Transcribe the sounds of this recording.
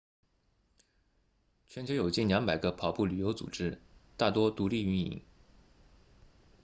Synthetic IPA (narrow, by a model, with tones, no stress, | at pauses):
t͡ɕʰɥɛ˥nt͡ɕʰjo˧˥ʊjo˨˩ʊt͡ɕi˥˩nljɑ˧˥ŋpa˨˩ɪɡə˧pʰɑ˨˩ʊpu˥˩ly˨˩jo˧˥ʊt͡sṵ˨˩ʈ͡ʂɻ̩˥t̪a˥˩t̪wɔ˥t̪u˧˥li˥˩y˧˥nḭ˨˩˦ŋ